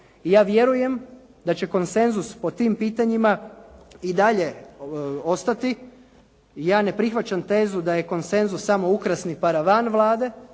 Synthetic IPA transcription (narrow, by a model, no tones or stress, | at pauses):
ijaːʋje̞ɾuje̞m | d̪at͡ɕe̞ko̞nse̞nzuspo̞t̪iːmpiːt̪aɲima | id̪aʎe̞ | o̞st̪at̪i | jaːne̞pɾixʋat͡ɕant̪e̞ːzud̪aje̞ko̞nse̞nzusːamo̞ukɾasnipaɾaʋanʋlˠaːd̪e̞